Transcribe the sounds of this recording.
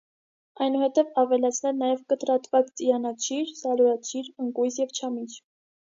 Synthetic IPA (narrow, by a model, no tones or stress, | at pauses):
ɑjnuhɛt̪ɛvɑvɛlɑt͡sʰnɛlnɑjɛvkət̪ɾɑt̪vɑt͡st͡sijɑnɑt͡ʃʰiɾsɑluɾɑt͡ʃʰiɾəŋkujsjɛvt͡ʃʰɑmit͡ʃʰ